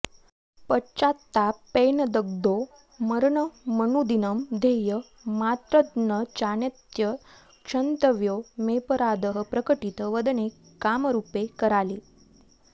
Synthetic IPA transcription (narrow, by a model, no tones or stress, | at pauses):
pət͡ɕat̪ːapenəd̪əɡ̚d̪o | məɾɳəmənud̪inəmd̪ʱejə | mat̪ɾəd̪nət͡ɕanet̪jə | kʂənt̪əʋjomepəɾad̪əɦəpɾəkəʈit̪ʋəd̪ɳekː | amɾupekəɾali